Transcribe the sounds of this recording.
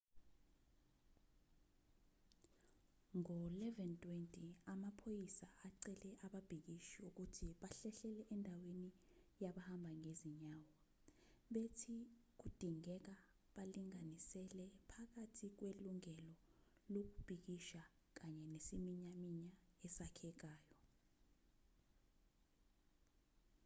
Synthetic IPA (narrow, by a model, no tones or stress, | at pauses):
ŋɔlɛvɛntʼwɛntʼiamapʰojisaʔaǀɛlɛʔaɓab̥ʱik̬iʃiuk̬utʰiɓaɬɛɬɛlɛʔɛndʱawenijaɓahambʱaŋeziɲaːwɔ | ɓetʰik̬ud̥ʱiŋɛk̬a | ɓaliŋanisɛlɛpʰak̬atʰik̬weluŋɛlɔ | lok̬ub̥ʱik̬iʃa | k̬aɲɛnesimiɲamiɲaɛsakʰɛk̬aːjɔ